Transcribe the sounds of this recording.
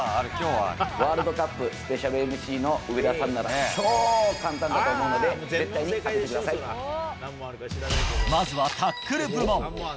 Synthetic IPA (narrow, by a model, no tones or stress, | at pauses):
βaːɾɯ̟d̪o̞kapːɯ̟sɨ̥pe̞ɕaɾɯ̟emɯ̟ɕiːno̞ɯβe̞d̪asaɯnːaɾa̰t͡ɕoːkãnt̪ãnat̪oɯmoːno̞d̪e̞ze̞t̪ːaiɲ̟ikaet̪e̞kɯd̪asai | mazɨβat̪ʰakːɯ̟ɾɯ̟bɯɾɯmõ